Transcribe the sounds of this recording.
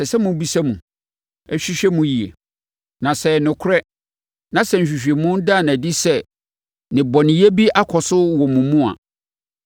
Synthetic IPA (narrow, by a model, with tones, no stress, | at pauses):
sɛ˨sɛ˦mũ˨˦bi˦sɛ˦mũ˨ | ɛ˦ɕᶣi˦ɕᶣɛ˦mũ˨˦ji˨ḛ˨ | nã˨sɛ˨nʊ̃˨kʰʊ˦ɾɛ˦ | nã˨sɛ˨n̩˨ɕᶣi˨ɕᶣe˨mʊ̃˦n˦da˦˨næ̃˨di˦sɛ˦ | nɪ̃˨bɔ̃˨nɪ̃˨je˦bi˦ʔa˦kʰɔ˨sʊ˦wɔ˨mũ˨mũ˦a̰˨